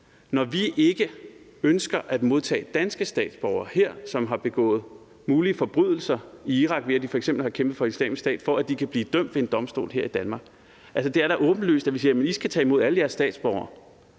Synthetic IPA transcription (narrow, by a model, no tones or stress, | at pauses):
nɒʋiʔe̝ɡ̥ə | ønsɡ̥ɐʔæd̥mo̝ð̞ˠt͡sʰɛ̰ːd̥ænsɡ̥əsd̥ɛ̰ːd̥sb̥ɒʊɐːhe̝ɐ̰sɒ̽mɦɑ̈b̥e̝ɡ̥ɔ̰̽ːð̩ˠ | muːliəfɒ̽b̥ʁyðˠl̩sɐiiʁɑ̈ɡ̥ʋe̝æd̥ifɒ̽eɡ̥sem̰b̥l̩hɑ̈kʰemb̥ð̩ˠfɒ̽i̥slɛ̰ːmisd̥ɛ̰ːd̥fɒ̽æd̥ikʰæb̥liːd̥œm̰d̥ʋe̝e̝nd̥ɒ̽msd̥o̝̰ːlɦeɐ̰id̥ænmɑ̈ːɡ̥ | ʔælsəd̥e̝æɐɾ̥æʔɔ̽ːb̥n̩ly̰ːsd̥æʋisiːɐjæmənisɡ̥æt͡sʰɛ̰ːimo̝ð̞̰ˠæləjæɐsːd̥ɛ̰ːd̥sb̥ɒʊ̰ɐː